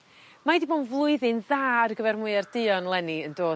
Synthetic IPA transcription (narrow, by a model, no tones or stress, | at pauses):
majdibonvlˠʊɨðɨnðaːrɡəvɛrmʊɨardɪɔnlˠɛniəndoː